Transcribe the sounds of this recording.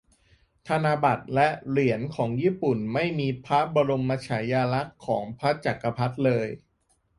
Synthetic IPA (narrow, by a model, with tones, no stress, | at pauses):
t̪ʰa˧naː˧ba˨˩t̪̚lɛ˦˥ʔli˨˩˦ənkʰɔː˩˦ŋjiː˥˩pu˨˩nma˥˩jmiː˧pʰa˦˥bɔː˧ɾo˧mːa˧t͡ɕʰaː˩˦jaː˧la˦˥kʰːɔː˩˦ŋpʰa˦˥t͡ɕa˨˩kːa˧pʰa˦˥t̪̚lɤː˧j